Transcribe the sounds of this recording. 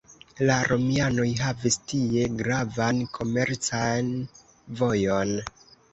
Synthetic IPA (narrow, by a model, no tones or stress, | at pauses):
laɾʔo̞miano̞jɦavistie̞ɡɾavankʰo̞me̞ɾt͡san | vo̞jo̞n